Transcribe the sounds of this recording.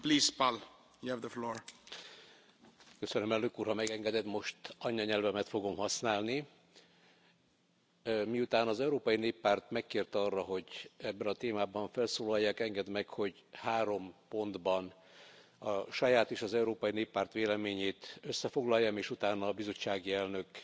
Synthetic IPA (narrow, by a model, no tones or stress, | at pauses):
pliːspal | juɛvd̪əfloːɹ | køsønømɛlnøkuːrhɒmɛɡɛŋɡɛd̪ɛt̪mo̞ʃt̪ɒɲːɒɲɛlvɛmɛt̪fo̞ɡo̞mhɒsnaːlni | miut̪aːnɒzɛuɾoːpɒjineːpːaːrt̪mɛkːeːrt̪ɒrːɒɦo̞ɟɛbːɛnɒt̪eːmaːbɒɱfɛlsoːlɒjːaːkɛŋɡɛd̪mɛkho̞ɟ | haːɾo̞mpo̞nd̪bɒn | ɒʃɒjaːt̪eːʃɒzɛuɾoːpɒjineːpːaːrt̪ʋeːlɛmeːɲeːt̪øsːɛfo̞ɡlɒjːɒmeːʃut̪aːnɒbizo̞t͡ʃːaːɡiɛlnø̞k